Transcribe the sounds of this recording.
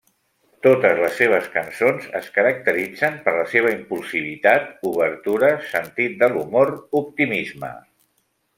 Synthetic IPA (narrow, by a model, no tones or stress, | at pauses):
t̪ot̪əzləsːeβ̞əskənsonzə̰skəɾək̚t̪əɾid͡zəmpəɾləseβ̞əimpulˠsiβ̞it̪at̪̚uβəɾt̪uɾəsənt̪it̪̚d̪əlumoɾup̚t̪imizmə̰